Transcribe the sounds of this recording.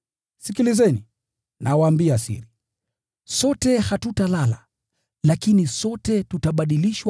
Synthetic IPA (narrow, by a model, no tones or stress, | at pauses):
sikilizɛni | nʔawaːmbiasḭɾi | sɔtɛhatutalala | lakinisɔtɛtutaɓaɗiliʃwa